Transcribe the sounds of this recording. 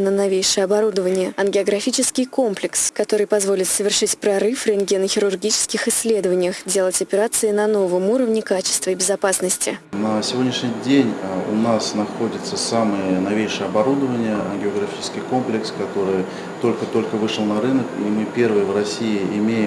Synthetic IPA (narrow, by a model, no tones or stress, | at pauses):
nənɐvʲejʂɨjəɐbɐɾud̪əvənʲɪjəɐnɡʲɪɐɡɾɐfʲit͡ɕɪskʲɪjko̞mplʲɪkskɐt̪o̞ɾɨjpɐzvo̞lʲɪt̪səvʲɪrʂɨtʲpɾɐrɨfrʲɪnɡʲenəxʲɪɾʊrɡʲit͡ɕɪ̥skʲɪxɪsʲːlʲe̞d̪əvənʲɪjəxdʲe̞lˠətʲɐpʲɪɾat̪sɨɪnɐno̞vəmuɾəvnʲɪkat͡ɕɪ̥st̪vʲɪbʲɪzɐpasnəsʲtʲɪ̰nəsʲɪvʲo̞dʲnʲɪʂnʲɪjdʲenʲʊ̰nasnɐxodʲɪt̪səsamɨjənɐvʲejʂɨjəɐbɐɾud̪əvənʲɪjəɐnɡʲɪəɡɾɐfʲit͡ɕɪ̥skʲɪjko̞mplʲɪkskɐt̪o̞ɾɨj | t̪o̞lʲkət̪o̞lʲkəvɨʂəlˠnɐɾɨnəkḭmɨpʲe̞rvɨjəvrɐsʲijɪɪmʲejɪm